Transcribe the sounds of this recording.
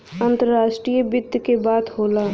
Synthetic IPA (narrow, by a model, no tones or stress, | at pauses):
ə̃nt̪əɾːaːʃʈɾijəbɪd̪ʱjkebaːt̪ɦoːlaː